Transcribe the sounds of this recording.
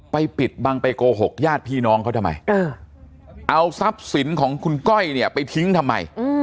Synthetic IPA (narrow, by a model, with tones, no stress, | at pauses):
pa˧jpi˨˩t̪̚ba˧ŋpe˧koː˧ɦo˨˩k̚jaː˥˩t̪̚pʰiː˥˩nɔː˦˥ŋkʰa˦˥t̪ʰmːa̰˧jʔɤː˧˩ | ʔa˧wsa˦˥p̚si˩˦nkʰɔː˩˦ŋkʰu˧nkɔ˥˩jni˥˩ɐpa˧jt̪ʰi˦˥ŋt̪ʰa˧mːa̰˧j